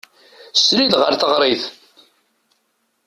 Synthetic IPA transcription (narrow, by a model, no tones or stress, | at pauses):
sɾid̪ʁəɾθəʁɾˤiθ